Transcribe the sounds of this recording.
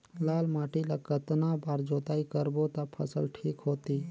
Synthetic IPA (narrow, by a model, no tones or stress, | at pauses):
laːlmaːʈilakət̪nabaːɾd͡ʒoːt̪aːikəɾbot̪apʰə̰sə̰lʈʰiːkɦoːt̪iː